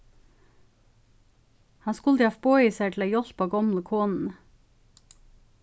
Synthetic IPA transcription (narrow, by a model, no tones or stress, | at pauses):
hɑnskʊld̪jɑfboːiːsæɪt̪ʰl̩æɪjɔlpɑːɡɑmləkʰoːnn̩